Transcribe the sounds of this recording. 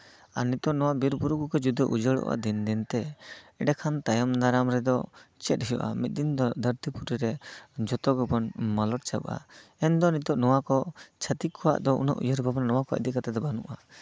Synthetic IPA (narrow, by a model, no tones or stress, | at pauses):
aɾnit̪ɔʔnɔwaʔbiɾbuɾukukɔd͡ʒud̪ɔʔud͡ʒəɭɔ̰ʔa̰d̪ind̪int̪ɛɛɖakʰant̪ajɔmnaɾamɾɛd̪ɔt͡ʃɛt̪̚ɦijɔ̰ʔa̰mit̪̚ˀd̪ind̪ɔd̪əɾt̪ipuʈiɾɛd͡ʒɔt̪ɔɡɔbɔnmalɔʈ̚t͡ʃabʔa̰ɛnd̪ɔnit̪ɔʔnɔwakɔt͡ʃʰat̪ikʰːɔwa̰ʔd̪ɔʔṵna̰ʔṵjəɾbʱabnanɔwakɔə̰d̪iʔkat̪ɛd̪ɔbanuʔa